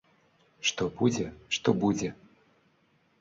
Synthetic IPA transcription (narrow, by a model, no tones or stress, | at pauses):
ʂt̪ɔbud͡zʲɛʂt̪ɔbud͡zʲɛ